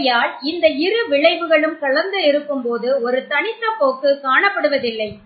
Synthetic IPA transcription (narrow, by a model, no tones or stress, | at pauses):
jaːlɪnd̪ɐɪɾɯʋɪɭɐɪʋɯɣɐɭɯmkɐɭɐɾnd̪ɯɪɾɯkːɯmpoːðɯɔɾɯt̪ɐɳɪt̪ːɐpːoːkːɯkaːɳɐpːɐɽɯʋɐðɪlːɐɪ